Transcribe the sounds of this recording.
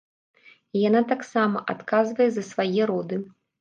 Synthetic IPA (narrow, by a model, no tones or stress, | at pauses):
ijanat̪aksamɐʔat̪kazvɐjɛzɐsvajɛɾɔd̪ɨ